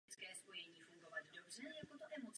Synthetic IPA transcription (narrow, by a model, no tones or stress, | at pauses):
t̪skɛːspojɛɲiːfuŋɡɔvaɟdɔbʐɛjakot̪oʔɛmot̪s